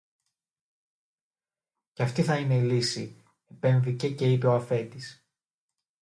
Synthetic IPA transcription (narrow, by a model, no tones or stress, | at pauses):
ceɐft̪iθɐine̞ilisi | e̞pe̞ɱvice̞ce̞ipe̞oɐfe̞t̪is